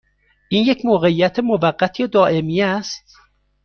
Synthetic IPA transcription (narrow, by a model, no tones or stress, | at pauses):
ʔiːnjecʰmoːɣeijːæt̪ʰemovæɢːæt̪ʰied̪ɒːʔemijæst̪